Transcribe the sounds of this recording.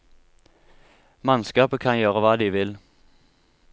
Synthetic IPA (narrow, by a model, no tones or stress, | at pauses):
mɑnskɑːpəkʰɑnjøːʁəʋɑːd̪iːʋɪl